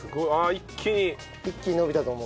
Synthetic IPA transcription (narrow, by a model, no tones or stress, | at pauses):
sɨɡoiaikʰʲːiɲ̟i | ikʲːiɲ̟ino̞bʲit̪at̪o̞ːmo